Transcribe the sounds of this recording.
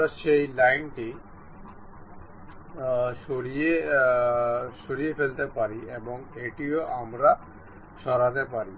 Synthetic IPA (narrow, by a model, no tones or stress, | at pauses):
ɾaʃejlajnʈi | ʃoɽie | ʃoɽiefelt̪epaɾieboŋeʈioʔamɾa | ʃɔɾat̪epaɾi